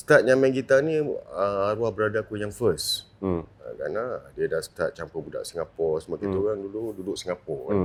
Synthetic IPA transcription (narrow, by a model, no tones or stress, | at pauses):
st̪at̪̚ɲamɛ̃ŋɡit̪anĩəaɾuahbəɾadakujaŋfəs | a̰ka̰nadiədast̪at̪̚t͡ʃampəbuda̰ʔsiŋapɔsəmakit̪oɾaŋdulududʊʔ̚siŋapɔkan